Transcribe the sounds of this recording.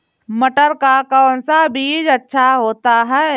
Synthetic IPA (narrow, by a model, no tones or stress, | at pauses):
məʈəɾkakɔːnsabiːd͡ʒətːʃʰaɦoːt̪aɦɛː